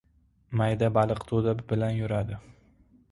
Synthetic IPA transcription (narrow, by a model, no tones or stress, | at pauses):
majd̪abalˠɨqt̪ʰod̪abɪlanjʊɾad̪ɪ